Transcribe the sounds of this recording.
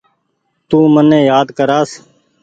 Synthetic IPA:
t̪uːmənːẽːjaːd̪kəɾaːs

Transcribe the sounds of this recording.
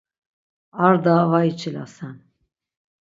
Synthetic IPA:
aɾd̪avait͡ʃʰʼila̰san

